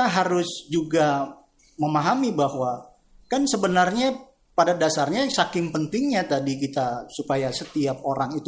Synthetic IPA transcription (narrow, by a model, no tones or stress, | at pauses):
aɦaɾʊsd͡ʒuɡa | məmaɦamibahwa | kansəbənarɲa | padadasarɲasakɪmpənt̪ɪŋɲat̪adik̬it̪asupajasət̪iap̚oɾaŋit̪u